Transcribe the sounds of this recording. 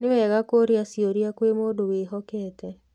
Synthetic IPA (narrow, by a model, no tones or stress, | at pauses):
newɛɣakoɾiasioɾiakwemoːdoweɦɔkɛːtɛ